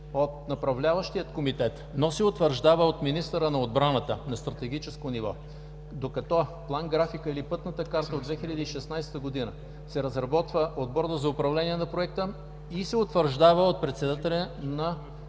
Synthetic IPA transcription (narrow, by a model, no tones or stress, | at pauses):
ot̪nɐpɾɐvlʲavəʃt̪ijət̪komit̪ɛt̪nosɛot̪vəɾʒd̪avəot̪minist̪əɾənɐod̪bɾanət̪ənɐst̪ɾɐt̪ɛɡit͡ʃɛskonivɔ | d̪okɐt̪ɔplˠanɡɾafikəilipɤt̪nət̪əkaɾt̪əod̪vɛxiʎʲɐd̪iiʃɛsnajst̪əɡod̪inə | sɛɾɐzɾɐbɔt̪vəʔod̪̚bɔɾd̪əzɐʊpɾɐvlɛniɛnɐpɾoɛk̚t̪ə | isɛot̪vəɾʒd̪avəot̪̚pɾɛt̪sɛd̪at̪ɛlʲɛnɐ